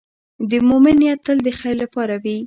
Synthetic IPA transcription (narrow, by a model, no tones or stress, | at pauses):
d̪əmomɪnjat̪ːəld̪əxajlapɑɾawi